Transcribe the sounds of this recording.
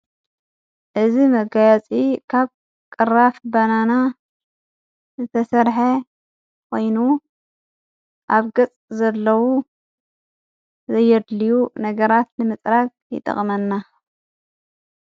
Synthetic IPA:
ʔɨzimɐɡajt͡sʼikʰaβ | kʼɨrafbɐnana | zɨt̪ʰɐsɐɾħɐ | kʷʰo̞jnu | ʔaβɡɨt͡sʼzɐlːɐwu | zɐjːɛd̪lijunɐɡɐɾat̪nɨmɨt͡sʼɾak | jɪ̰t̪ʼɐ̰χʼmɐnːa

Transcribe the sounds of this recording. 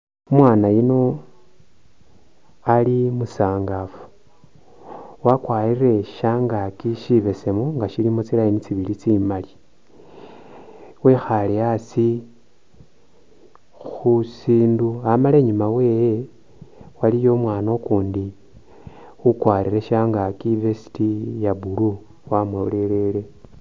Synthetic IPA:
omwaːnajino̞ | alimusaːŋɡafu̥ | wakwaːɾire̞ʃaŋɡakiʃiβe̞se̞muŋɡaʃilimot͡silajinit͡siβilit͡simali | we̞xaleasi | xusiːnduamale̞ːɲumawe̞je | walijo̞mwaːno̞kuːndi | ukwaɾire̞ʃaːŋɡakivesi̥tijabulu | wamwelele̞le̞

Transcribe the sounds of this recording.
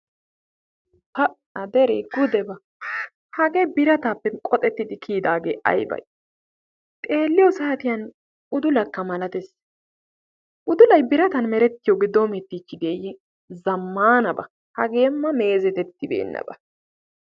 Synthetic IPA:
t̪ɐ | ɐd̪ɛɾɛ̰ɡʊd̪ɛbɐ | hɐɡebɪɾɐt̪aːpːɛkʼɔt̪ʼɛt̪ːɪd̪ɪkʰiːd̪aːɡḛːʔɐ̰jbɐ̰j | t̪ʼe̞ːlːɪjɔsaːt̪ɪjɐn | ʊd̪ʊlɐkːɐmɐlɐt̪ɛs | ʔʊd̪ʊlɐjbɪɾɐt̪ɐnmɛɾɛt̪ːɪjɔɡɪd̪omɛt̪ːiːt͡ʃːɪd̪eːjɪ | zɐmːaːnɐbɐ | hɐɡe̞ːmːɐme̞ːzɛt̪ɛt̪ːɪbḛːnːɐ̰bɐ

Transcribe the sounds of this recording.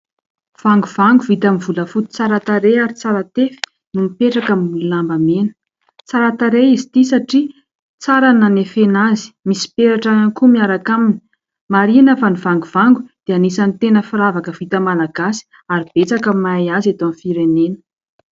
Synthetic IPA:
v̥aŋɡuv̥aŋɡuvit̪amivuləfut̪u̥t͡saɾat̪aɾeaɾit͡saɾat̪efi̥ | numipeʈ͡ʂakamululambamenə̥ | t͡saɾat̪aɾeizit̪isaʈ͡ʂi | t͡saɾananefenazi̥misi̥peɾaʈ͡ʂaankumiaɾakamini̥ | maɾinəfanivaŋɡuvaŋɡud̪̥eanisanit̪enəfiɾavakəv̥it̪əmalaɡ̥asi̥ | aɾib̥et͡sakəmajazet̪oanifiɾenenə̥

